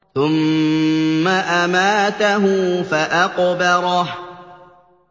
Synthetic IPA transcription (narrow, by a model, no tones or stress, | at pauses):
θʊmː | aʔamaːt̪aɦʊfaʔaqbɑɾˤɑh